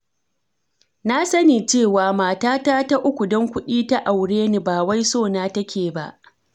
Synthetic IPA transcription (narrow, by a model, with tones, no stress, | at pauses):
na˦sɐ˦niː˨t͡ʃeː˦˨waː˨maː˨taː˦taː˦ta˦ʔʊ˦kʷu˨dɔ˦ŋkʷʊ˦ɗiː˦ta˦ʔa˨wɽeː˦ni˨baː˨wa˦jsoː˦˨naː˦tɐ˦kʲeː˨ba̰˦ʔ